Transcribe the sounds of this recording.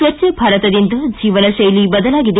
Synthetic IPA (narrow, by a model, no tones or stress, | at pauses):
ʋɐtːjɐbʱaːɾɐt̪ɐd̪ind̪ɐd͡ʒiːʋɐnɐʃɐjlibɐd̪ɐlaːɡid̪e